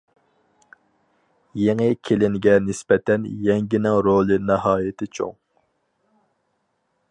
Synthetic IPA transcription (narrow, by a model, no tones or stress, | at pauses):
jeŋɪkʲʰelɪŋɡʲɛnɪspɛt̪ʰɛnjɛŋɡʲinɪŋɾolˠɨnɪɦɑːjɪt̪ʰɪt͡ʃʰo̰ŋ